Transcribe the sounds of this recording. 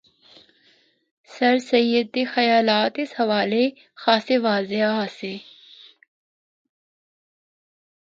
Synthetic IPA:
sɐɾsɐjəd̪ːexɐjaːlaːt̪ɪshɐʋaːle | xaːseʋaːzeɦaseː

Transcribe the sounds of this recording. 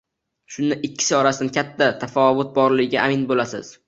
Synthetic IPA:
ʃʊnd̪aʔɪkʲʰːɪ̥sɒɾasɪd̪nkʲʰat̪ʰːat̪ʰafɒvʊt̪̚bɒɾlɪɡʲɪɡʲaʔamɪnbolasɪ̰z̥

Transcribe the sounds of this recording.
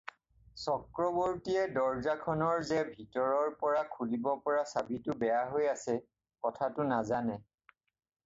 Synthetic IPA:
sɔkɹɔbɔɹtiɛdɔɹzakʰɔnɔɹzɛbʱitɔɹɔɹpɔɹakʰulibɔpɔɹasabitʊbɛjaɦojasɛ | kɔtʰatʊnazanɛ

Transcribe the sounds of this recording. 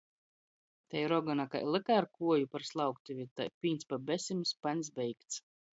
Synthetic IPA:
t̪ajɾɔɡɔnaka̰jlˠɨkaɾkuɔjupaɾslˠawkt̪uvʲit̪a̰jpʲiːnsʲpabɛsʲimuspanʲs̬bʲɛjkt̪s

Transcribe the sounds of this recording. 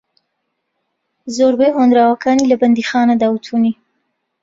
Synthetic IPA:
zoɾbeɦond̪ɾawakɑnilaband̪ixɑnad̪awt̪ʰuni

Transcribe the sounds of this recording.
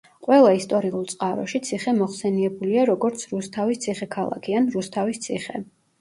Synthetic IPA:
qʼwɛlˠaist̪ʼɔɾiulˠt̪sʼqʼaɾɔ̰ʃit̪sʰiχɛmɔχsɛniɛbuliaɾɔɡɔɾt̪sʰɾust̪ʰavist̪sʰiχɛkʰalˠa̰kʰianɾust̪ʰavist̪sʰiχɛ̰

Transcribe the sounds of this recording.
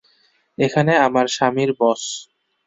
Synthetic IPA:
ekʰaneamaɾʃamiɾbɔs

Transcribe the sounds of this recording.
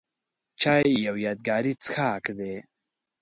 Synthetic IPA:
t͡ʃʰaːijawjaːd̪̚ɡaːɾit͡sɨ̥xʰaːkd̪e

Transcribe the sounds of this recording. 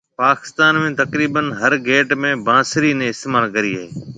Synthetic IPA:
paːkɪ̥st̪aːnmẽːt̪ɐkɾiːbənɦɐɾɡeːʈmẽbãːsɪɾinẽɪst̪eːmaːɾkɐɾiːaːeː

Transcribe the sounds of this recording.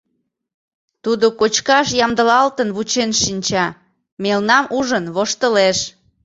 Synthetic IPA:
t̪ud̪okot͡ɕkɑʃjɑmd̪əlɑlt̪ənβut͡ɕenʃinʲt͡ɕɑ | melnɑmuʒənβoʃt̪əleʃ

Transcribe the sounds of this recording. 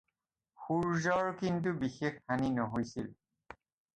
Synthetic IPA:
xuɹzɔɹkintubixexːaninɔɦojsil

